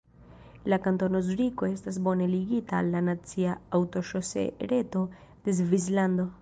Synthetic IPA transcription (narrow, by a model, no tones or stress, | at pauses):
lakant̪onozɾikoest̪azboneliɡit̪aalːanat͡siaawt̪oʃosḛɾet̪o | d̪̥ezvizland̪o